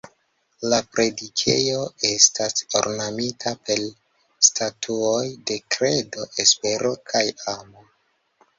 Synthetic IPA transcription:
lapɾe̞dikʰe̞̰joe̞stʰaso̰ɾnamitʰape̞l | stʰatʰuo̞jde̞kɾe̞do̞ʔespe̞ɾʔo̞kʰajamo

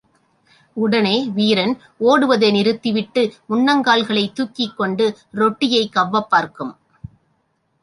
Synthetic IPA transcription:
ʊɽɐneːʋiːɾɐn | oːɽɯʋɐðenɪɾɯt̪ːɪʋɪʈːɯʊɳːɐŋɡaːɭɣɐɭɐɪt̪ːuːkːɪkːɔɳɖɯɾɔʈːɪjɐɪkːɐʋːɐpːaːɾkɯm

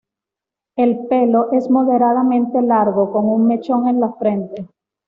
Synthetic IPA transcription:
e̞lpe̞lo̞ʔe̞zmo̞ðe̞ɾaðamẽ̞nt̪e̞laɾɣo̞ko̞ŋuŋme̞t͡ʃo̞ŋe̞nlafɾe̞nt̪e̞

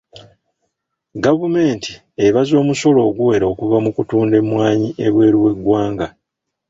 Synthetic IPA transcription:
ɡavume̞ːnti | eβazo̞ːmuso̞lo̞ːɡuwe̞ɾao̞kuvamukutuːnde̞mːwaːɲiʔe̞βwe̞ːɾiwe̞ɡwaːŋɡa

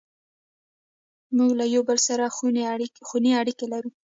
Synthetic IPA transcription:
muɡlajawbəlsaɾa | xuneaɽikelaɾu

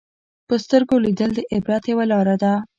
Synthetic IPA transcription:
pəst̪əɾɡolid̪əld̪əʔɪbɾat̪jawalɑɾad̪a

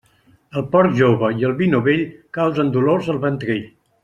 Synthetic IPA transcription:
əlˠpɔɾkʒoβəiəlˠβinuβeʎkawzənd̪uloɾzəlˠβənt̪ɾeʎ

